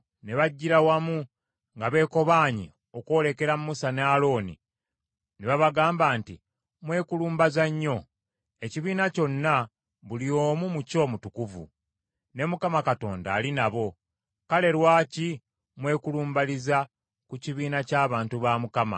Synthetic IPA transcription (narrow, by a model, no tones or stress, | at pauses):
neβaɟːiɾawamu | ŋɡaβe̞ːko̞βaːɲḭ | o̞kwo̞ːle̞ke̞ɾamuusanalo̞ːnḭ | neβaβaɡaːmbaːnti | mwe̞ːkuluːmbazaɲːo̞ | e̞ciβiːnaco̞nːa | βulio̞ːmumuco̞ːmutukuvṵ | ne̞mukamakato̞ːnda̰ːlinaβo̞ | kale̞ɾwaːci | mwe̞ːkuluːmbaliza | kuciβiːnacaːβaːntuβamukama̰